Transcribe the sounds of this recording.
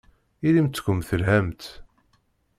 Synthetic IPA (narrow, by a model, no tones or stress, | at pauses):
ilimt͡s̪ːkʷəmθəlɦæmt̪